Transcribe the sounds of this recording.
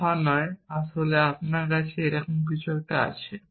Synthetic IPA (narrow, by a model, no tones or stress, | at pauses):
anɔeaʃoleapnaɾkat͡ɕʰeejɾɔkomk̬it͡ɕʰoɡʈaa̰t͡ɕʰe